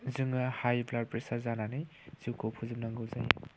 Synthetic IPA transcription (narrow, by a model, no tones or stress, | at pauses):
zɯŋɐhajblaɾpɾesaɾzananɯjz̥iwkʰopʰuzɯmnaŋɡɯwzaj̰